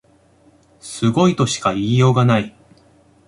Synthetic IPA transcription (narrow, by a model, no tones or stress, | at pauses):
sɨɡo̞it̪o̞ɕi̥kaiːjo̞ːɡanai